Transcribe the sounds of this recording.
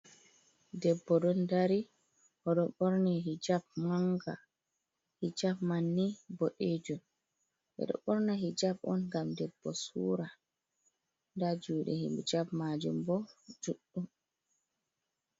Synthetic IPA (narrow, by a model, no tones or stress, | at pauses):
dɛbːɔɗɔndaɾi | hɔɗɔɓɔɾniɦid͡ʒab̚maŋɡa̰ | hid͡ʒabmanːiboɗeːd͡ʒum | ʔɛ̰ɗɔ̰ɓɔɾnaɦid͡ʒabɔ̰nɡamdɛbːɔsṵːɾa | ndad͡ʒuːɗɛ̰hḭmd͡ʒabmad͡ʒumbɔd͡ʒuɗːum